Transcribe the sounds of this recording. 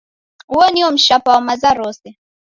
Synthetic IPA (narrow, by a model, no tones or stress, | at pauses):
uɔniɔm̩ʃapawamazaɾɔsɛ